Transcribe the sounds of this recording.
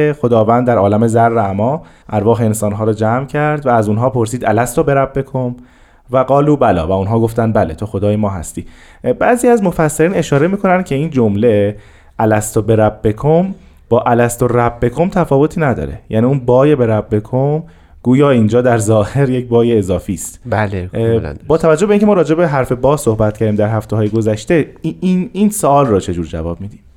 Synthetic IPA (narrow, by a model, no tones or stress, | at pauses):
exo̞d̪ɒːvæːnd̪d̪æɾɒːlæmezærːeæmɒː | ʔæɾvɒːɦeensɒːnɦɒːɾɔːd͡ʒæːmcʰæɾd̪væːzunɦɒːpʰo̞ɾsiːd̪ælæst̪obe̞ɾæbːe̞kʰom | væɡɒːluːbælɒ̰ːvæunɦɒːɡoft̪ænd̪bæle̞t̪ʰo̞xo̞d̪ɒːjemɒːɦæ̰st̪iː | bæːziːæzmo̞fæsːeɾiːne̞ʃɒːɾe̞miːkʰo̞nænd̪̥̚cʰe̞iːnd͡ʒomle | ʔælæst̪ʰobe̞ɾæbːe̞kʰom | b̥ɒːʔælæst̪o̞ɾæbːe̞kʰomt̪ʰæfɒːvot̪ʰiːnæd̪ɒ̰ːɾe̞̰jæ̰niːunbɒːjebe̞ɾæbːe̞kʰom | ɡ̥uːjɒːind͡ʒɒːd̪æɾzɒːheɾjec̚bɒːjeːzɒːfiːst̪bæl̰ | bɒːt̪ʰævæd͡ʒobeincʰemɒːɾɒːd͡ʒe̞be̞ɦæɾfe̞bɒːso̞hbæt̪̚cʰæɾd̪imd̪æɾɦæft̪eɦɒːjeɡo̞zæʃt̪e̞ininsoɒːlrɔt͡ʃʰe̞d͡ʒuːɾd͡ʒæ̰vɒ̰ːb̥̚miːd̪i